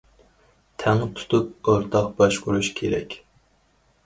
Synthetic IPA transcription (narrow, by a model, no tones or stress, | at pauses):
t̪ʰɛŋɨt̪ʰu̥t̪ʰup̚oɾt̪ʰɑqbɑʃquɾuʃkʲʰeɾɛ̰kʲ